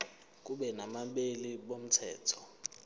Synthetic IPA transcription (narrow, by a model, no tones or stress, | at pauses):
k̬uɓɛnamaɓeliɓom̩tʰɛ̰ːtʰɔ̥